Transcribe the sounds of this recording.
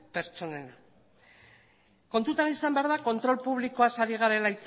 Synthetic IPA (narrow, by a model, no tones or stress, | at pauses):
pe̞ɾt͡ʃo̞ne̞na | ko̞nt̪ut̪anisambe̞aɾðako̞nt̪ɾo̞lpuβliko̞asaɾiɣ̞aɾe̞lait͡s